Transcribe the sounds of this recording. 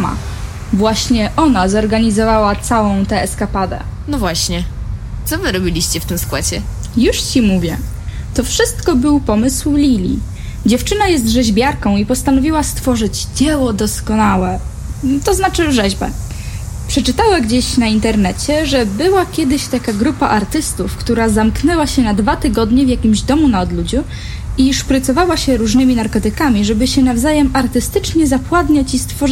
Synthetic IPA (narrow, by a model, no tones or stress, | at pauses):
ma̰ | vwaɕɲɛʔɔnazɔɾɡaɲizɔvawat̪sawɔ̃w̃t̪ɛːskapad̪ɛ̰nɔvwaɕɲɛt̪sɔvɘɾɔbʲilʲiɕt͡ɕɛft̪ɘmskwa̰d͡ʑɛ | juʂt͡ɕimuvʲjɛ | t̪ɔfʂɘst̪kɔbɘwpɔmɘswlʲilʲḭ | d͡ʑɛft͡ʂɘnajɛs̬t̪ʐɛʑbʲjaɾkɔ̃w̃ipɔst̪anɔvʲiwast̪fɔʐɘd͡ʑd͡ʑɛwɔd̪ɔskɔnawɛ | t̪ɔznat͡ʂɘʐɛʑbɛ̰ | pʂɛt͡ʂɘt̪awaɡd͡ʑeɕnaint̪ɛɾnɛt͡ɕɛʐɛbɘwakʲɛd̪ɘɕt̪akaɡɾupaʔaɾt̪ɘst̪ufkt̪uɾazamknɛwaɕɛnad̪vat̪ɘɡɔd̪ɲɛvʲjakʲimʑd̪ɔmunaɔd̪lud͡ʑu | iʂpɾɘt̪sɔvawaɕɛɾuʐnɘmʲinaɾkɔt̪ɘkamʲiʐɛbɘɕɛnavzajɛmaɾt̪ɘst̪ɘt͡ʂɲɛzapwad̪ɲat͡ɕist̪fɔʐ